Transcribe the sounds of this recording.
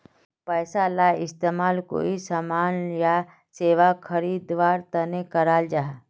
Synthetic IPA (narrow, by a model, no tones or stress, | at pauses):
pɛːsalaːɪst̪eːmaːlko̰ːisaːmaːnja | seːʋakʰəɾiːd̪ʋaːɾt̪ɐnekəɾaːld͡ʒaːɦ